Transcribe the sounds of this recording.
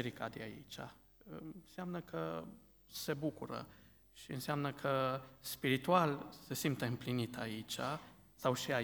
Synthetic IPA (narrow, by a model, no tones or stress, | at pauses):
eɾikad̪eaḭt͡ʃʲa̰ | ɨnseamnəkʰə | se̞bukuɾə̰ | ʃiɨ̰nseamnəkʰəspiɾit̪ualse̞simpt̪eɨmplinit̪ait͡ʃʲa̰ | sawʃia